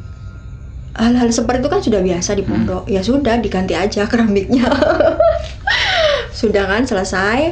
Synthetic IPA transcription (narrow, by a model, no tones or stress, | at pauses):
halɦalsəpərt̪it̪ukansudahbiasadipɔndɔʔjasudahdiɡant̪iad͡ʒakɾamɪk̚ɲa | sudahkansələsaj